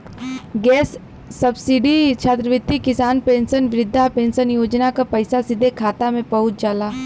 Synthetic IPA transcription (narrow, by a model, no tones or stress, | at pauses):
ɡɛːsː | ɐbsɪɖit͡ʃʰaːt̪ɾəʋɪt̪ːikɪsaːnpẽːnsənʋɪɾɪd̪ʱːapẽːnsənjoːd͡ʒnakapɐɪsasɪd̪ʱekʰaːt̪amẽpɐɦʊt̪d͡ʒaːlaː